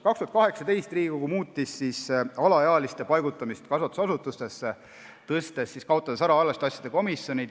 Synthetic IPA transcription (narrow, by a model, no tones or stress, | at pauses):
kɑkst̪uhɑt̪kɑɦe̞ksɑt̪e̞jst̪riːɡikoɡumuːt̪ˑːisːisɑlɑeɑlist̪epɑjɡut̪ːˑɑmist̪kɑsɑt̪ːˑu̥sɑsut̪ːˑust̪e̞sːe | t̪ɤst̪e̞sːiskɑot̪ːˑɑd̪esɑɾɑɑlːɑst̪ɑsʲjɑd̪e̞ko̞misjo̞nʲid̪